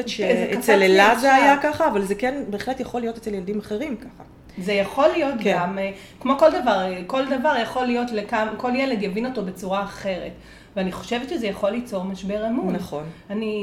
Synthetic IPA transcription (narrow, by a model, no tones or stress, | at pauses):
etʃeet͡selelazeajakaχaːvalzekenbeːχletjaχo̞lijo̞tet͡seljeld̪imaχe̞ʁimkaχa | zejaχo̞lːijo̞t̪kɡam | kmo̞ko̞ld̪avaʁko̞ld̪avaʁjaχo̞lijo̞tlekamko̞ljeledjavino̞to̞bet͡suʁaːχe̞ʁḛt | veaniχo̞ʃevetʃezejaχo̞lit͡so̞ʁmaʃbe̞ʁamunaχo̞nani